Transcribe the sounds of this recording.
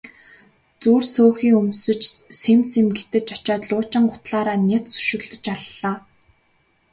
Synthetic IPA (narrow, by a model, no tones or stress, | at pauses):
t͡suːrsoːxiːŋɵmsɵ̆t͡ɕsemsemɡet̪ɘ̆t͡ɕɔt͡ɕɔːt̪ɮʊːt͡ɕɪ̆ɴɢʊ̥t̪ɮaːɾaːnʲet͡ssɵ̥ʃɪ̆ɣɮɵ̆t͡ɕaɮːaː